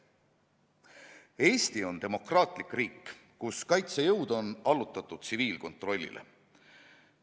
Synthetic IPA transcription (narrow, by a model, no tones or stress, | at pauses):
e̞ːst̪io̞nt̪e̞mo̞krɑːt̪ˑlikriːkː | kuskɑjt̪sejɤwd̪o̞nɑlut̪ːˑɑt̪ːˑud̪̥̚siviːlko̞nt̪ˑro̞lʲːḭlʔḛ